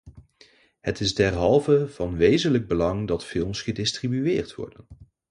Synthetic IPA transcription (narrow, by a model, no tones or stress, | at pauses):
hətɪzdɛɹɦɑlˠvəv̥ɑnʋejzənləɡ̚bəlɑŋdɑtfɪlˠmsχədɪstribyɪːɹtʋɔ̰ɹdən